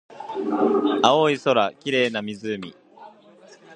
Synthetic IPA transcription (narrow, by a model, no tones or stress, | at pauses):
aoiso̞ɾakʲiɾe̞ːnamʲizɨmʲḭ